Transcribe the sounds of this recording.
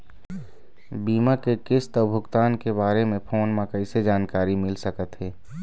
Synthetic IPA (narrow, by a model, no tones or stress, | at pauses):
biːmakekɪst̪ɔːbʱʊkt̪aːnkebaːɾemẽpʰoːnmãkəɪsed͡ʒaːnkaːɾimɪlsəkət̪ɦɛː